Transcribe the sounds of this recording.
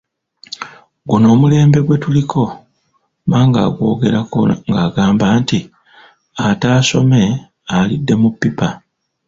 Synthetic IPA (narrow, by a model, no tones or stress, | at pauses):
ɡuno̞ːmule̞ːmbe̞ɡwe̞tulikʰo̞ | maːŋɡa̰ːɡwo̞ːɡe̞ɾako̰ŋɡaːɡaːmbaːnti | ataːso̞̰me̞ | alidːe̞mupːipa